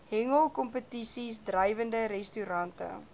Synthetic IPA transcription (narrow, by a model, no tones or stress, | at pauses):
hɛŋəlˠkɔmpətisisdrəjvəndəɾɛstyɾɐntə̰